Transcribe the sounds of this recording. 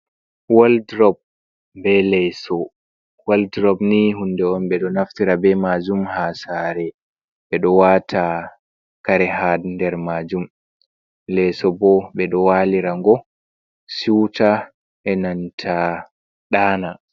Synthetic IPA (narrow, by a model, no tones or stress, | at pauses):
waldɾɔb̚ | bɛlɛsɔ | waldɾɔbniɦundɛɔnbɛɗɔnaftiɾabɛmad͡ʒumhasaːɾɛ | ɓɛɗɔwatʰa | kaɾɛhadndɛɾmad͡ʒum | lɛsɔbɔɓɛɗɔwaːliɾaŋɡɔ | siwta | ʔɛnantʰa | ɗaːna